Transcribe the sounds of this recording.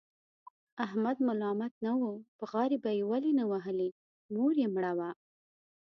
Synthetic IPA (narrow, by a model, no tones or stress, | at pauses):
ahmad̪mʊlɑmat̪̚nawopəɣɑɾibajewalinawaɦəli | noɾjemɽawa